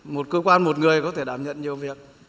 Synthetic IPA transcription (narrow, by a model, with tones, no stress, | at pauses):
mo˨˩t̚kəː˧kwaː˧nmo˨˩t̚ŋɨ˨˩əjkɔ˨˦t̪ʰe˧˩ɗaː˧˩mɲə̰˧˨nɲi˨˩əwvi˨˩ək̚